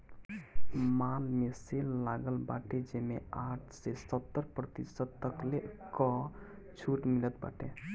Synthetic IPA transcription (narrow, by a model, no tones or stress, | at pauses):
malmesellaɡəlba̰ʈed͡ʒemḛaʈʰsesət̪ːəɾpɾət̪isəd̪̚t̪əklekɔ | t͡ʃʰuʈmilət̪̚ba̰ʈe